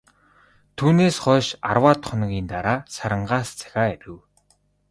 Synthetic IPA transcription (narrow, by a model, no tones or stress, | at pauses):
t̪ʰuːneːsχɔːʃa̰rwaːt̪χʊnɣʲiːnt̪aɾaːsaɾə̆ɴɢaːst͡sʰḁxʲaːeɾʲɘ̆w